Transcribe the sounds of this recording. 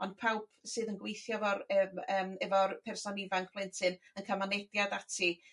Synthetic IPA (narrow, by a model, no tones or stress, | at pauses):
ɔnd̥̚pʰawpsɨːðənɡwejθjɔvɔɾəməːmɛvɔrpʰɛrsɔnivaŋkʰpʰlˠɪntʰɨnənkʰamanɛdjadatʰi